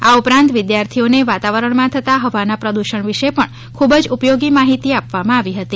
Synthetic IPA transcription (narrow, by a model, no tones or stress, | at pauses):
aupɾãnt̪ʋɪd̪jaɾt̪ʰioneʋat̪aʋəɾəɳmãt̪ʰət̪aɦəʋanapɾəd̪uʃəɳʋiʃepəɳ | kʰubəd͡ʒupjoɡimaɦit̪iapʋamãːʋiɦət̪i